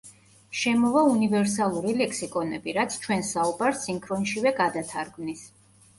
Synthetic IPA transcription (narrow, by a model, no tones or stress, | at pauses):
ʃɛmɔvaunivɛɾsalˠuɾilɛkʰsikʼɔnɛbiɾat̪sʰt͡ʃʰwɛnsaubaɾsiŋkʰɾɔnʃivɛɡad̪at̪ʰaɾɡmnis